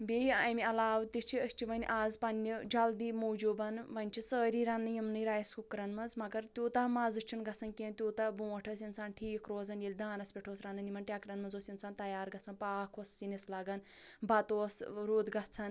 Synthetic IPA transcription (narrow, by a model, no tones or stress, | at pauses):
bʲeɐmiɐlaːʋt̪iʃt͡ʃʰiəʃʲt͡ʃʰiʋɐnʲʔaːzpɐnʲːid͡ʒɐld̪iːmoːd͡ʒoːbɐnʋɐnʲt͡ʃʰisəːɾiːɾanːɨjimnɨɾaːjɐskukɾɐnmɐnzmɐɡɐɾt̪joːt̪ɐmazɨt͡ʃʰinɡɐt͡sʰɐnkẽːnt̪ʲjoːt̪ɐbũːʋɐʈʰɐs̬ʲinsʰaːnʈʰiːkɾoːzɐnjilʲd̪aːnɐspʲeʈʰoːsɾanɐnimɐnʈʲjaːkɾɐnmɐnzoːsʲint͡sʰaːnt̪ɐjaːɾɡɐt͡sʰɐnpaːkʰosːinislɐɡɐnbɐt̪oːsɾoːd̪ɡɐt͡sʰɐn